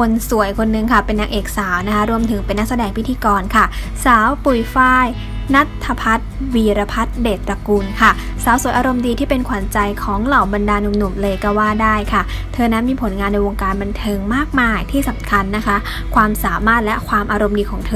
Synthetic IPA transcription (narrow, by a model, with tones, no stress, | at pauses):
kʰo˧nsu˨˩˦əjkʰo˧nːɯ˧ŋkʰa˥˩pe˧nːaː˧kʔeː˨˩k̚saː˩˦wna˦˥kʰa˦˥ɾu˧əmt̪ʰɯ˩˦ŋpe˧nːa˦˥k̚sa˧dɛː˧ŋpʰi˦t̪ʰiː˧kɔː˧nkʰa˥˩saː˨˩˦wpu˨˩jfaː˥˩j | na˦˥t̪ʰːa˧pʰa˦˥t̪̚wiː˧ɾa˧pʰa˦˥t̪̚deː˨˩t̪̚pɾa˧kuː˧nkʰa˥˩ | saː˨˦wsu˨˩˦jʔaː˧ɾo˧mdiː˧t̪ʰiː˥˩pe˧nkʰwa˨˩˦nt͡ɕa˧jkʰɔː˩˦ŋla˨˩wba˧ndaː˧nu˧mnu˨˩mlɤː˧jka˧˩waː˥˩daː˥˩jkʰa˥˩ | t̪ʰɤː˧na˦˥nmiː˧pʰo˩˦nŋaː˧nːa˧jwo˧ŋkaː˧nba˧nt̪ʰɤː˧ŋmaː˥˩k̚maː˥˩jt̪ʰiː˥˩sa˨˦mkʰa˧nːa˦˥kʰa˦˥ | kʰwaː˧msaː˩˦maː˥˩t̪̚lɛ˦˥kʰwaː˧mʔaː˧ɾo˧mdiː˧kʰɔː˩˦ŋt̪ʰɤː˧